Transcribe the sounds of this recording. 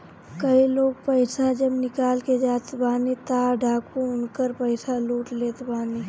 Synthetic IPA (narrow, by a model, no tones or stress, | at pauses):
kɐiloːɡ̚pəɪsad͡ʒɐbnɪkaːlked͡ʒaːt̪baːnit̪aːɖʱaːkũʊnkəɾpəɪsaluːʈleːt̪baːni